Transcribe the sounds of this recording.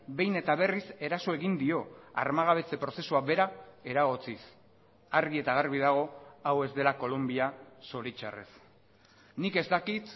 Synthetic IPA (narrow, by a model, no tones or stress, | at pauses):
be̞jne̞t̪aβ̞e̞rise̞ɾaso̞e̞ɣind̪io̞a̰ɾmaɣ̞aβ̞e̞t͡se̞pɾo̞se̞suaβe̞ɾae̞ɾaɣ̞ot͡sis | aɾɣie̞t̪aɣ̞aɾβið̞aɣ̞o̞awe̞zd̪e̞lako̞lombiaso̞ɾit͡ʃa̰re̞̰s | nike̞zt̪akit̪